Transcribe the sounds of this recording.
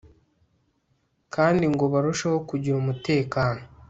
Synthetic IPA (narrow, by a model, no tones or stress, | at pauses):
kʰaːndiŋɡo̞βaɾuʃaho̞kuɟiɾumute̞ːkaːno̞